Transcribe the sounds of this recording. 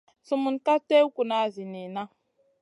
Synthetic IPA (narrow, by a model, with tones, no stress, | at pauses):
sʊ˨mʊ˨n̩˦ka˦te˦u˦kʷu˨na˨zi˨ni˨na˦